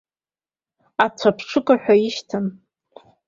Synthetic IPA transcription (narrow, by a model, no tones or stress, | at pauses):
at͡sʷʰapʰʂʰɨkʼaħʷᶣaiʃtʰɨn